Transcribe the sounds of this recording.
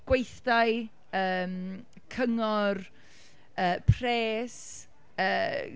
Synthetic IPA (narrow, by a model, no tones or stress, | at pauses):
ɡ̥wejθd̥aj | əːm | kʰəŋɔr | əːpʰr̥eːs | əː